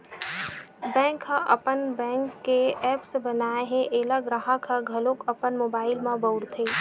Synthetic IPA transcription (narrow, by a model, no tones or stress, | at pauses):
bɛ̃ːŋkhə̃ʔɐpənbɛ̃ːŋkːeɛːpsbənaːeɦẽʔeləɡɾaɦakʰəɡʱɐlõkəpənmoːbaːɪlmãbəʊɽt̪ʰe